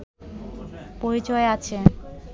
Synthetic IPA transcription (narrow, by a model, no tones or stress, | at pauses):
poɾit͡ɕɔeat͡ɕʰe